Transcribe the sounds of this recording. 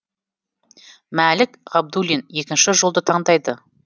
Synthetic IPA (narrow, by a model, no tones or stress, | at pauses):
mælɪkʁɑb̚d̪ulinje̞kʲɪnʃɪʒo̞lˠd̪ət̪ʰɑɴd̪ɑjd̪ə